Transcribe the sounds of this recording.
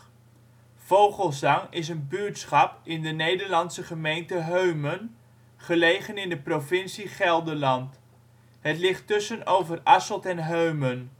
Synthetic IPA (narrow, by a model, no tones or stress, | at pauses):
v̥owχəlˠzɑŋɪs̬ənbyɹtsχɑpɪndənejdəɹlɑnsəχəmejntəɦøɥmən | χəlejχənɪndəprovɪnsiχɛlˠdəlɑnt | ɦətlɪχtɵsənowvərɑsəlˠtɛnɦøɥmən